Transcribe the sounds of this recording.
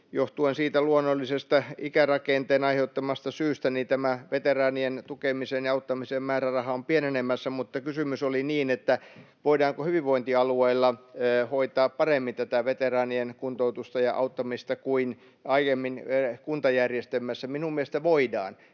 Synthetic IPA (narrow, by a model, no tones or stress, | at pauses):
joht̪uensiːt̪æluonːolːisest̪ɑikærɑkent̪eːnɑiheut̪ːɑmɑst̪ɑsyːst̪ænint̪æmæʋet̪erɑːnient̪ukemisenjɑɑut̪ːɑmisemmæːrærɑhɑompienenemːæsːæmut̪ːɑkysymysoliniːnet̪ːæ | ʋoidɑːŋkohyʋiʋʋoint̪iɑlueilːɑːhoit̪ɑːppɑremːint̪æt̪æʋet̪erɑːnienkunt̪out̪ust̪ɑjɑʔɑ̰ut̪ːɑmist̪ɑkuin | ɑijemːinekunt̪ɑjærjest̪emːæsːæminummiest̪æʋoidɑ̰ːn